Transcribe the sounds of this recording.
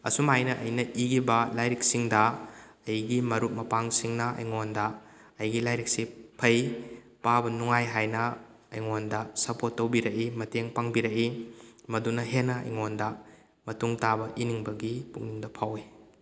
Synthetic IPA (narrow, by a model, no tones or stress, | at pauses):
ɐ̰sumajnɐʔɐjnɐʔiɡibɐlajɾik̚siŋdɐ | ɐjɡimɐɾut̚mɐpaŋsiŋnɐɐ̰jŋondɐ | ɐjɡilajɾik̚sipʰɐj | pabɐnuŋajɦajnɐ | ɐjŋondɐsɐpotːɐwbiɾɐkimɐteŋpaŋbiɾɐkimɐdunɐɦenːɐɐ̰jŋondɐ | mɐtuŋtabɐʔiniŋbɐɡipukŋniŋdɐpʰawi